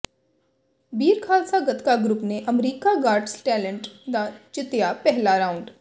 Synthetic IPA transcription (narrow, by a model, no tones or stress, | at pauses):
biːɾkʰaːlsaːɡət̪kaɡɾʊpneʔəmɾiːkaɡaːɾɖsʈɛːləɳʈd̪aːt͡ʃɪt̪jaːpɛɦlaːɾaːʊɳɖ